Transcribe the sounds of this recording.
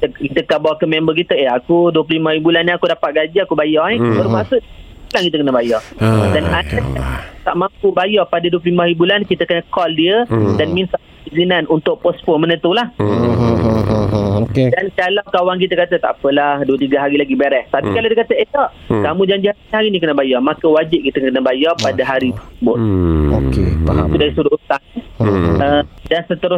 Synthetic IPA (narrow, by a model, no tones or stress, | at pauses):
kit̪əkit̪əkaʔbawakəmɛmbək̬it̪əeakuduəp̬ləlimahibulaniakudapat̪̚ɡad͡ʒaakubajɔɛbərmasʊʔ̪̚ | bulankit̪əkənəbajɔdananaat̪a̰ʔmãmpubajɔpadəduəpləlimahibulankit̪əkənəkɔldiədanmĩnsa | izinanunt̪ʊʔ̚pɔspəmənə̃t̪ulah | oedankalawkawaŋk̬it̪əkat̪ət̪a̰ʔpəlahduət̪iɡaɦaɾilaɡibeɾɛht̪apikalawdiəkat̪əetɔʔkamũd͡ʒaɲd͡ʒihahaɾinikənəbajɔmakəwad͡ʒɪp̚kit̪əkənəbajɔpadaɦaɾit̪əsəbʊt̪̚okeit̪udaɾisuɾʊut̪aŋɛədansət̪əɾʊs